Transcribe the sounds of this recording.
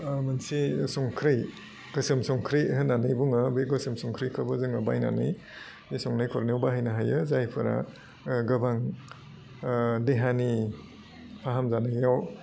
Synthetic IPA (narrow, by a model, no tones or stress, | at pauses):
mɯnsisɔŋkʰɾɯj | ɡ̥ɯsɯmsɔŋkʰɾihɯnanɯjbuŋɯbeɡɯsɯmsɔŋkʰɾijkʰabɯzɯŋɐbajna̰nɯj | isɔŋnajkʰɔɾniwbaɦajnaɦajɯzajpʰɯɾa̰ | ɡɐbaŋ | deɦani | pʰaɦamzanaɡjaw